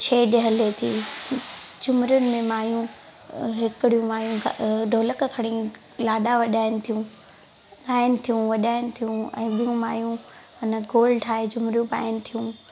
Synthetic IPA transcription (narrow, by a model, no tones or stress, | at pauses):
t͡ɕʰeːɗəɦəlet̪ʰiː | d͡ʑʊmɾijʊnɪ̆mẽmaːjũ | ɦɪkɪɽijũmaːjũɡɖʱoːləkkʰɐɽ̃ĩː | laːɗaʋɐʄaːɪnɪ̆t̪ʰijũ | ɠaːɪnɪ̆t̪ʰijũʋɐɗaːɪnɪ̆t̪ʰijũɛ̰̃ːɓijũmaːjũ | ɐnəɡoːlɖʈʰaːɦed͡ʑʊmɾjũpa̰ːɪnɪ̆t̪ʰijũ